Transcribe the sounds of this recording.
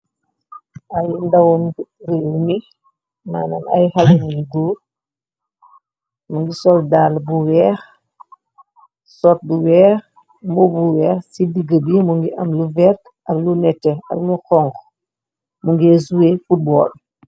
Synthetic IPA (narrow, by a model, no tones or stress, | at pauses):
ajindawunɾimi | ma̰ːnana̰jhalnilɡuːɾ | muŋɡisɔldaːlbuwɛːx | sɔt̚buwɛːx | mɔbuwɛːxsidiɡəbimuŋɡiʔɐmluvɛɾt | aɾlunɛtːɛa̰lmuxɔŋɡ | muŋɡezuwefut̚bɔ̰ːl